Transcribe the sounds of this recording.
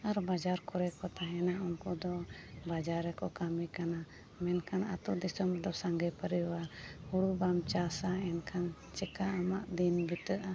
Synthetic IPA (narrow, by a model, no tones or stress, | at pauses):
aɾbad͡ʒaɾkɔɾɛkɔt̪aɦɛnaunkud̪ɔbad͡ʒaɾɛkɔkamikana | mɛnkʰana̰t̪ud̪isɔmd̪ɔsaŋɡɛpaɾijwaɾhuɽubamt͡ʃasaɛnkʰan | t͡ʃɛkaamaʔd̪inbit̪əʔa